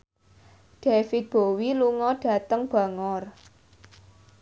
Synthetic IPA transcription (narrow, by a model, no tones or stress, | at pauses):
d̥efit̪̚b̥owiluŋɔɖ̥a̤t̪əŋb̥a̤ŋɔr